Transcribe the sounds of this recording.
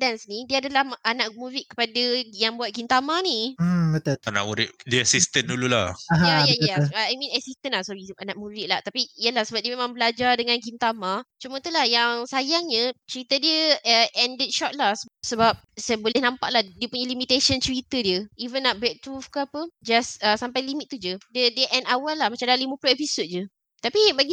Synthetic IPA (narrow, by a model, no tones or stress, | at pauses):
dansnĩdiəadalahmʔanaʔmuviʔkə̥padajaŋbuat̪̚ɡint̪amanibət̪uana̰ʔwuɾiʔdiəasist̪əndululahaɦaajajaaajmĩnasist̪ənlahsɔɾianaʔ̚mũviʔ̚laht̪apiiəlahsəbap̚diəmemãŋbəlad͡ʒardəŋãnɡint̪amãt͡ʃumə̃t̪ulahjaŋsajaŋɲə̃t͡ʃəɾit̪ədiəəʔɛndət̪̚ʃɔt̪̚lahsəsəbap̚sajbolɛhnãmpaʔlahdiəpuɲalimit̪esənt͡ʃəɾit̪ədiəivənːaʔ̚bɛt̪ɾufkəapəd͡ʒasəsampajlimit̪̚t̪ːud͡ʒədədəʔɛ̃nawalːahmat͡ʃamdalimə̃ploepisot̪̚d͡ʒə | t̪apibaɡi